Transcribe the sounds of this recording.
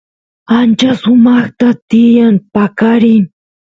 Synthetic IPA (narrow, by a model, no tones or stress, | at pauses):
ant͡ʃasʊmɑχt̪at̪ɪjaŋpakaɾɪ